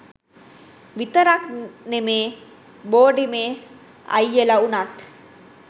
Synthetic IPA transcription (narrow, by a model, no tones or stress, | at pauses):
ʋit̪ɐɾɐknemeː | boːɖimeː | ɐ̰jːelɐunat̪